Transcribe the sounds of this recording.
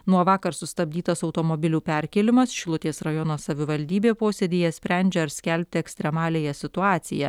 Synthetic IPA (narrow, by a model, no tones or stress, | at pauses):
nuɔʋɑːkɐɾsʊst̪ɐbʲd̪ʲiːt̪ɐsɒʊt̪oːmoːbʲɪlʲuːpʲæɾʲkʲeːlʲɪmɐsʃʲlˠʊt̪ʲeːsɾɐjɔnoːsɐʋʲɪʋɐlʲd̪ʲiːbʲeːpoːsʲed̪ʲiːjɛsʲpʲɾʲɛˑnʲd͡ʒʲɛɐɾsʲkʲælʲp̚ʲt̪ʲɪɛksʲt̪ʲɾʲɛmɑːlʲeːjɛsʲɪt̪ʊɑːt̪sʲɪ̰jɛ